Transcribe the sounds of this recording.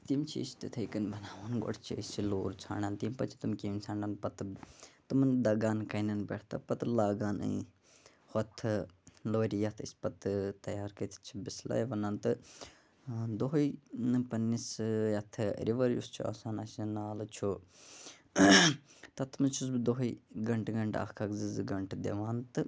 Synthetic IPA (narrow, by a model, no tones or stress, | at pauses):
t̪imt͡ʃʰḭsi̥t̪ɨt̪ʰɐjkɐnbɐnaːʋɐnɡo̰ʈʰt͡ʃʰiisʲiloːɾt͡sʰa̰ːɳaːnt̪impɐt͡ʃʰi̥t̪umkiːmsʰãːɳɖɐnpɐt̪ɨt̪ɨmɨnd̪ɐɡaːnkɐnɐnbḛːʈʰt̪ɐ̰pɐt̪laːɡaːnɨ̰ | hɔt̪ʰɨloːɾijɐt̪ʰḭspɐt̪ɨt̪ɐjaːɾkɐt̪ʰt͡ʃʰibisla̰jʋɐnaːnt̪ɨ | d̪oɦɐjpɐnːisjɐt̪ʰɨ̰ɾiʋɐɾjṵst͡ʃʰua̰saːnɐsɐnaːlt͡ʃʰu | t̪ɐt̪ʰːmɨt͡ʃʰus̬bd̪oɦiɡɐɳʈɡɐɳʈa̰kʰɐkzɨzɡɐɳʈʰd̪ḛʋaːnt̪ɨ